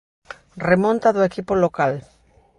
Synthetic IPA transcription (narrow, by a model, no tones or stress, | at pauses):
remõnt̪aðoekipolokal